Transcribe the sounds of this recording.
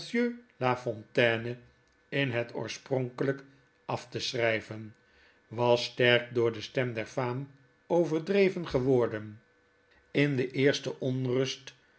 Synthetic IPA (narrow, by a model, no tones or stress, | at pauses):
sjølafɔntɛːnə | ɪnɦətʰo̰ːɹsprɔŋkələk | ʔɑftəsrɛjvən | ʋɑstɛɹk̚dʊːɹdəstɛmdɛɹfaːm | owvəɹdrejvənχəʋɔɹdən | ɪndəʔɪːɹstəʔɔnrɵst